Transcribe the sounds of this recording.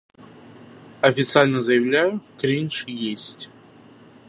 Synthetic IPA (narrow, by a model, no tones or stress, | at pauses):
ɐfʲɪt̪sɨalʲnəzəjɪvlʲæjʊkɾʲinʲʂjesʲtʲ